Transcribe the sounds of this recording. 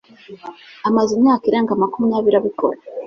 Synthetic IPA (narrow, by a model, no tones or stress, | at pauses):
amazimɲaːkiɾeːŋɡamakumijaβiɾaβiko̞̰ɾa